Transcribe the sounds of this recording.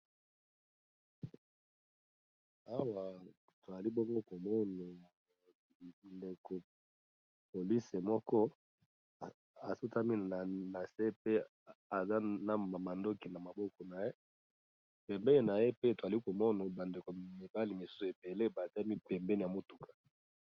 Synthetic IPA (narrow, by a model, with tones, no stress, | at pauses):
a˦wa˨ | to˨za˨li˦bɔ˦ŋɡo˦ko˨mɔ˦na˨ | nde˨ko˨ | po˨li˦se˨mɔ˦kɔ˦˨ | a˨su˦ta˦mi˦n˨na˨se˦pe˦ | a˨za˦na˦a˨ma˨ndo˦ki˨na˨ma˨bɔ˦kɔ˨na˨je˦ | pɛ˨mbɛ˦ni˨na˨je˦pe˦to˨za˨li˦ko˨mɔ˦na˨ba˨nde˨ko˨mi˨ba˦li˨mi˨su̥˦so˨e˨be˨le˦ba˨za˦mi˦pɛ˨mbɛ˦ni˨ja˨mo˦tu˨kʰḁ˨